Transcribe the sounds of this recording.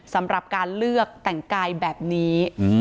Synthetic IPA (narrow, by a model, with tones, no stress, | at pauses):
sa˩˦mɾa˨˩p̚kaː˧nlɯ˥˩ək̚t̪ɛ˨˩ŋkaː˧jbɛː˨˩p̚niː˦˥